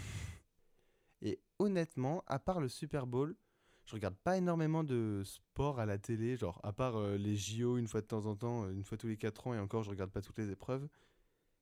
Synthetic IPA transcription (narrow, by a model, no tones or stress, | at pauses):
e | ɔnɛt̪mɑ̃a̰paʁləsypɛʁbol | ʒəʁəɡaʁd̪̚paenɔʁmemɑ̃d̪əspɔʁalat̪eleʒɑ̰̃ʁa̰paʁøleʒioynfwad̪ət̪ɑ̃zɑ̃t̪ɑ̃øynfwat̪ulekat̪χɑ̃eɑ̃kɔʁʒəʁəɡaʁd̪̚pat̪u̥t̪lezepχœv